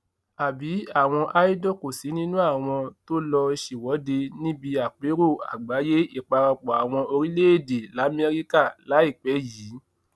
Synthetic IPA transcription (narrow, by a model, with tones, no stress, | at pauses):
a˨bi˨˦a˦˨w̃ɔ̃˧ʔa˧˦i˦dɔ˦˨ko˨si˨˦nĩ˦nũ˦a˦˨w̃ɔ̃˧to˦lɔ˧i˧ʃi˨wɔ˨˦de˧nĩ˦bi˧a˨k͡pe˨˦ɾo˦˨a̰˨ɡ͡ba˨˦je˦i˦˨k͡pa˧ɾa˧k͡pɔ˨a˨w̃ɔ̃˧o˧ɾi˦le˦e˦˨de˨la˨˦mɛ˧ɾi˦ka˦˨la˨˦i˦˨k͡pɛ˨˦jiː˨˦